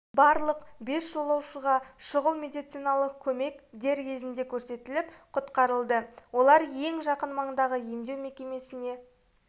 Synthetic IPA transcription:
bɑɾlˠəqbe̞sʒo̞lˠɑwʃəʁɑʃʊʁəlˠme̞d̪ijt̪sijnɑlˠəq̚kʲʰɵme̞kd̪e̞ɾkʲʰe̞zɪnd̪e̞kʲʰɵɾse̞t̪ɪlɪpqʰʊt̪qɑɾəlˠd̪əwo̞lˠɑɾje̞ŋʒɑqənmɑɴəd̪ɑʁəje̞md̪e̞wme̞kʲe̞me̞sɪne̞

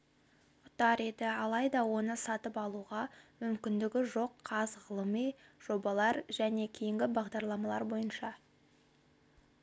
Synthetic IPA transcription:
ʊt̪ɑɾe̞d̪ɪɑlˠɑjd̪ɑwo̞nəsɑt̪əpɑlˠuʁɑmʏmkʲɪnd̪ɪɡʲɪʒo̞qʰːɑzʁəlˠəmijʒ̥o̞bɑlˠɑɾʒ̥æne̞kʲʰejɪŋɡʲɪbɑʁd̪ɑɾlˠɑmɑlˠɑɾbo̞jənʃɑ

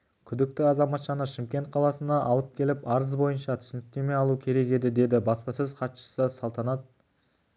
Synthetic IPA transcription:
kʲʰʏd̪ɪk̚t̪ɪɑzɑmɑt̪ʃɑnəʃɪmkʲe̞nt̪̚qʰɑlˠɑsənɑʔɑlˠəp̚kʲʰe̞lɪpɑɾəzbo̞jənʃɑt̪ʰʏ̥sɪnɪk̚t̪e̞me̞jɑlˠukʲʰe̞ɾe̞ke̞d̪ɪd̪e̞d̪ɪbɑspɑsəzqʰɑt̪ʃə̥səsɑlˠt̪ɑnɑt̪̚

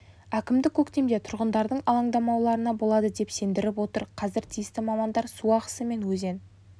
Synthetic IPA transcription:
ækʲɪmd̪ɪkʲʰɵkt̪e̞md̪e̞t̪ʰʊɾʁənd̪ɑɾd̪əɴɑlˠɑɴd̪ɑmɑwlˠɑɾənɑbo̞lˠɑd̪əd̪e̞pse̞nd̪ɪɾɪpwo̞t̪əɾqʰɑzɪɾt̪ʰijɪst̪ɪmɑmɑnd̪ɑɾsuɑqə̥səme̞nwɵze̞n

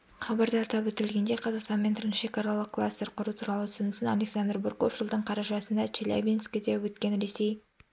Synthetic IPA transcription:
χɑbɑɾd̪əːt̪ɑpwɵt̪ɪɾɪlɡʲe̞nd̪e̞qʰɑzɑqst̪ɑnme̞nt̪ʰɪɾʃe̞kɑɾɑlˠəqkʰːlˠa̰st̪e̞ɾqʰʊɾut̪ʰuɾɑlˠət̪ʰʏ̥sɪnɪsɪnalʲe̞ksand̪rburko̞̰fʃəlˠd̪əɴqʰɑɾɑʒɑsənd̪ɑt͡ʃʰelʲa̰bʲinskʲɪd̪ewɵt̪kʲe̞nɾe̞se̞j

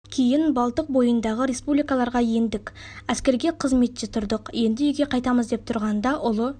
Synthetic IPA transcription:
kʲʰe̞jɪnbɑlˠt̪əq̚bo̞jənd̪ɑʁəɾe̞spublijkalˠɑɾʁɑje̞nd̪ɪkʲæskʲe̞ɾɡʲe̞qʰəzme̞t̪ʒ̥et̪ʰʊɾd̪əqje̞nd̪ɪʏjɡʲe̞qʰɑjt̪ɑməzd̪e̞p̚t̪ʰʊɾʁɑnd̪ɑʔʊlˠə

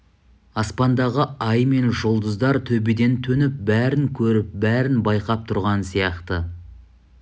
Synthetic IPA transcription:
ɑspɑnd̪ɑʁəɑjme̞nʒolˠd̪əzd̪ɑɾt̪ʰɵbed̪e̞nt̪ʰɵnɪp̚bæɾɪŋkʲʰɵɾɪp̚bæɾɪnbɑjqɑp̚t̪ʰʊɾʁɑnsijɑqt̪ə

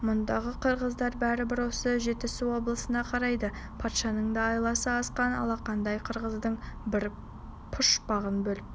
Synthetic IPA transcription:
mʊnd̪ɑʁəqʰəɾʁəzd̪ɑɾbæɾɪbɪɾwo̞səʒe̞t̪ɪsɪwo̞blˠəsənɑqʰɑɾɑjd̪əpʰɑt̪ʃɑnəɴd̪ɑːjlˠɑsəɑsqɑnɑ̰lˠɑqʰɑnd̪ɑjqʰəɾʁəzd̪əɴbɪɾ | pʰʊʃbɑʁənbɵlɪp̚

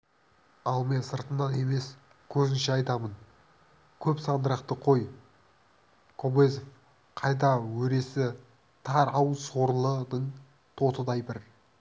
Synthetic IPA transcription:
ɑlˠme̞nsəɾt̪ənːɑne̞me̞s | kʲʰɵzɪnʃeɑjt̪ɑmən | kʲʰɵpsɑnd̪əɾɑqt̪əqʰo̞j | kʰo̞bezof | qʰɑjt̪̬ɑwɵɾe̞sɪ | t̪ʰɑɾɑwəso̞ɾlˠəd̪əɴ | t̪ʰo̞t̪əd̪ɑjbɪɾ

